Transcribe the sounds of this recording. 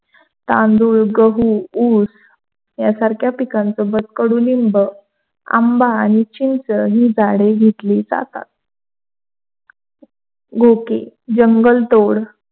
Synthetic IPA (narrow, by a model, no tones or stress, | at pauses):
t̪ãnd̪uːɭɡəɦuus | jasaɾkʰjapikãnt͡sobət̪kəɽuːlimbə | a̰mbaːɽ̃it͡ɕint͡səɦiːd͡zaɽeɡʱet̪liːd͡za̰t̪a̰t̪̚ | ɡʱokḛ | d͡ʑəŋɡəlt̪oɽ